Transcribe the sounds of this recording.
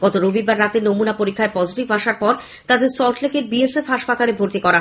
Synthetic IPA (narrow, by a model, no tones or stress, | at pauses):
ɡ̥ɔt̪oɾobiɾbaɾːat̪enomunapoɾikʰːaepɔd͡ʑʱiʈibaʃaɾpɔɾ | t̪ad̪eɾsɔɾʈlekeɾbiesefɦaʃpat̪alebʱoɾt̪ikɔɾaɦ